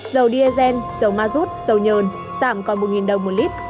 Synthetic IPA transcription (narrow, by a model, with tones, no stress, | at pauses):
zə˨˩wɗi˧ʔe˧zɛ˧nzə˨˩wmaː˧zu˦˥t̚z̥ə˨˩wɲəː˨˩n | z̥aː˧˩mkɔ˨˩nmo˨˩t̚ŋi˨˩nɗə˨˩wŋ͡mmːo˨˩t̚li˦˥t̚